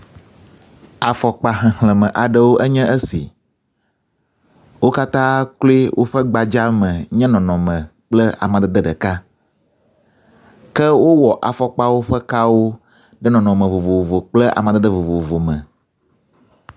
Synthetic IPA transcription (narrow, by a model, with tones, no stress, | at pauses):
a˨fɔ˨k͡pa˨ɦɛ̃˨ɦl̃ɛ̃˨mə̃˨ʔa˨ɖə˦wo˦ʔə˦ɲɛ̃˦ʔə˦sḭ˨ | wo˦ka˦t̪ã˦klo˦i˦wʔo̰˦ɸə˦ɡ͡ba˨d͡ʒa˦mə̃˨ɲɛ̃˦nɔ̃˨nɔ̃˨mə̃˨k͡plə˦a̰˨mã˨d̪ə˦d̪ə˦ɖə˨ka˦ | kɛ˦wo˦wɔ˨ʔa˨fɔ˨k͡pa˦wo˦ɸə˦ka˦wo˦ | ɖɛ˦nɔ̃˨nɔ̃˨mə̃˨vo˨vo˨vo˨k͡plɛ˦ʔa̰˨mã˨d̪ə˦d̪ə˦vo˨vo˨vo˨mɛ̃˨